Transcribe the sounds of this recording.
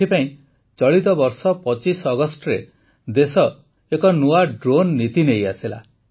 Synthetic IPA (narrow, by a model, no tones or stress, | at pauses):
ipaĩ | t͡ʃɔɭit̪ɔbɔɾsɔpɔt͡ʃisɔɡɔsʈɔɾe | d̪esɔ | ekɔnuaɖɾonːit̪ineja̰sila̰